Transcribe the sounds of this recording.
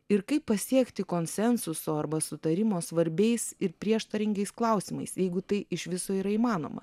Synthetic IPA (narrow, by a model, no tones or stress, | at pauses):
ɪɾkɐɪpːɐsʲiɛkt̪ʲɪkoːnʲsʲɛnsʊsoːɐɾbɐsʊt̪ɐɾʲɪmoːsʋɐɾʲbʲɛɪsɪɾpʲɾʲiɛʃt̪ɐɾʲɪŋʲɡʲɛɪsklˠɐʊsʲiːmɐ̰ɪsjɛɪɡʊt̪ɐɪʔɪʃʋʲɪsoːiːɾɐiːmɑːno̰ːmɐ̰